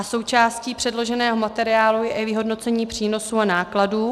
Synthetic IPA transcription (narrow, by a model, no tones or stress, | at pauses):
ʔaso̞wt͡ʃaːsciːpr̥ɛdlo̞ʒɛnɛːɦo̞mat̪ɛɾɪaːlujɛʔivɪɦo̞dno̞t͡sɛɲiːpr̝̥iːno̞suːanaːkladuː